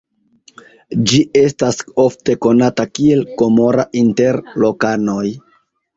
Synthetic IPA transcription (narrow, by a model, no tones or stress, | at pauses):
d͡ʒiʔe̞staso̞fte̞ko̞natakie̞lko̞mo̞ɾaʔinte̞ɾlo̞kano̞j